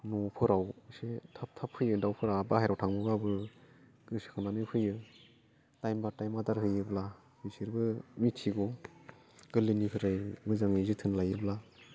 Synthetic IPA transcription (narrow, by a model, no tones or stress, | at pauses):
nɔpʰɯɾawsetʰap̚tʰapʰːɯjɯdawpʰɯɾabahajɾawtʰaŋbɯɡabɯ | ɡ̥ɯsi̥kʰɯnanɯpʰɯjɯ | tajmbatajmadaɾhɯjɯbla | bɯsiɾbɯmitʰiɡɔ | ɡ̥ɯlɯnipʰɯɾajmɯzaŋizɯtʰɯnlajɯbla